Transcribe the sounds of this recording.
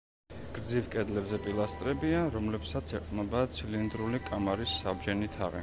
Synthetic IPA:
ɡ̥ɾd̪zivkʼɛd̪lɛbzɛpʼilˠast̪ʼɾɛbiaɾɔmlɛpsat̪sʰɛqʼnɛbat̪sʰilind̪ɾulikʼamaɾisːabd͡ʒɛnit̪ʰa̰ʁɛ̰

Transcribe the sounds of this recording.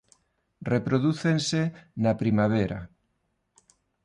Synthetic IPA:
repɾoðuθensenapɾimaβ̞eɾa̰

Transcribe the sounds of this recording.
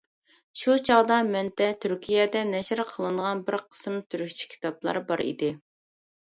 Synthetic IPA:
ʃut͡ʃʰɑʁd̪ɑmɛnt̪ʰɛt̪ʰyɾkʲʰijɛd̪ɛnɛʃɪɾqʰəlˠɨɴʁɑnbɪɾqʰə̥smt̪ʰyɾykʲt͡ʃʰi̥kʲʰi̥t̪ʰɑplˠɑ̰ɾbɑɾḭd̪ɪ

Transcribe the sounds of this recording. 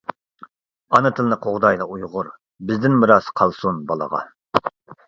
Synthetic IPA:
ɑnɨt̪ʰɨlˠɨnɨqʰoʁd̪ɑjlˠɑujʁʊɾ | bɪzd̪ɪnmɨɾɑsqʰɑlˠsunbɑlˠə̰ʁɑ̰

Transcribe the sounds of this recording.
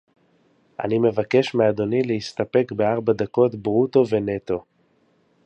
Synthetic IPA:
ʔa̰nime̞vake̞ʃmead̪o̞nileist̪ape̞kbe̞aʁbad̪ako̞tbʁuto̞ve̞ne̞t̪o̞

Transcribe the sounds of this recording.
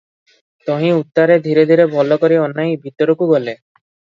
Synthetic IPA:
t̪ɔɦĩut̪ːaɾed̪ʱiɾed̪ʱiɾebʱɔlɔkɔɾiɔnːajbʱit̪ɔɾɔkuɡɔle

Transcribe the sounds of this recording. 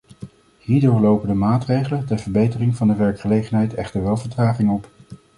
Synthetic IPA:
hiːɹdʊːɹlowpəndəmaːtrejχələntɛɹvəɹbejtərɪŋvɑndəʋɛɹkχəlejχənɦɛjtɛχtəɹʋɛlˠvəɹtraːχɪŋɔp

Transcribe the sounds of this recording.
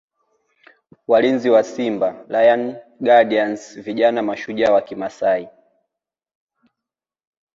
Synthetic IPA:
walinziwasimbalajanɡaɗiansviʄanamaʃuʄawakimasai

